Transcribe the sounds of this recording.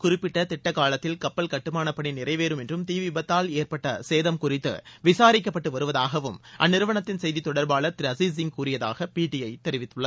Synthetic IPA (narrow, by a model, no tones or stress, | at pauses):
kʊrɪpːɪʈːɐt̪ɪʈːɐkːaːlɐt̪ːɪlkɐpːɐlkɐʈːɯmaːnɐpːɐɳinɪrɐɪʋeːɾɯmɛndrɯmt̪iːʋɪbɐt̪ːaːleːɾpɐʈːɐseːðɐmkʊrɪt̪ːɯ̰ʋɪsaːɾɪkːɐpːɐʈːɯʋɐɾɯʋɐðaːɣɐʋɯmʔɐ̰nːɪɾɯʋɐɳɐt̪ːɪnsɛjðit̪ːɔɽɐɾbaːɭɐt̪ɪɾɐsiːsɪŋkuːrɪjɐða̰ːɣɐpiːʈːɪjɐɪt̪ɛɾɪʋɪt̪ːɯɭːɐð